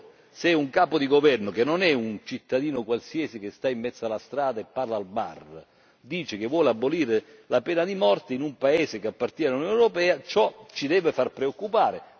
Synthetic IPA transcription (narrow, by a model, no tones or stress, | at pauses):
sɛuŋkaːpod̪iɡovɛrnokenːonɛunt͡ʃit̪ːad̪iːnokwalsiɛsik̟est̪aimːɛt̪sːalast̪ɾaːd̪aepːarlaːlba̰r | d̪iːt͡ʃɪkevːwɔːleabːoliːɾelapɛːnad̪imɔrt̪ɪinumpaeːzɪkeapːart̪jɛːnalunjoneɾopɛːat͡ʃɔt͡ʃid̪ɛːvefarpɾeokːupaːɾe